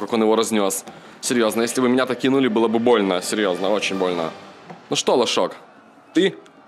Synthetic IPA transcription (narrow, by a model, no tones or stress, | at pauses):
kako̞njɪvoɾɐzʲnʲo̞s | sʲɪɾʲjo̞znəjesʲlʲɪbɨmʲɪnʲat̪ɐkʲinulʲɪbɨlˠəbɨbo̞lʲnəsʲɪɾʲjo̞znəo̞t͡ɕɪnʲbo̞lʲnə̰nuʂt̪olˠɐʂok | t̪ɨ